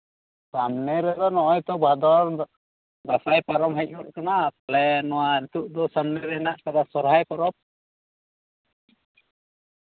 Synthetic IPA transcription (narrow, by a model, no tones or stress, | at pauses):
samnɛɾɛd̪ɔnɔʔɔjt̪ɔbʱad̪ɔɾ | d̪asajpaɾɔmɦɛc̚ˀɔʔ̚kanakalɛnɔwaɾit̪uʔd̪ɔsamnɛɾɛɛnaʔkad̪asɔɾɦajpɔɾɔp̚